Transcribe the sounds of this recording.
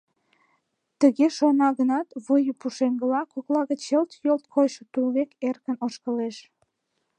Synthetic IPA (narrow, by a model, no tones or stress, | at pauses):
t̪əɣeʃonɑɣənɑt̪βojəpuʃeŋɡəlɑkoklɑɣət͡ɕəlt̪jolt̪̚kʰojʃə̆t̪ulβekerkənoʃkəleʃ